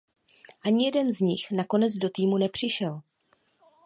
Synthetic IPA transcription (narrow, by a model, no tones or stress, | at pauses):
ʔaɲɪjɛdɛnzɲɪxnako̞nɛd͡zdo̞t̪iːmunɛpr̝̥ɪʃɛl